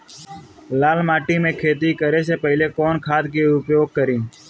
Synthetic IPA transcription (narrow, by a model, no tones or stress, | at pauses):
laːlmaːʈiːmẽːkʰeːt̪iːkəɾeːs̬eːpəɦɪleːkoːnkʰaːt̪keːʊpjoːɡ̚kəɾĩː